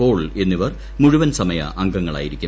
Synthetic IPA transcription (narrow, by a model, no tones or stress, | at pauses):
o̞ːɭe̞nːiʋɐr | muɻuʋɐnsɐmɐjɐ̰ʔɐŋɡɐŋːɐɭa̰ːjiɾikʲːu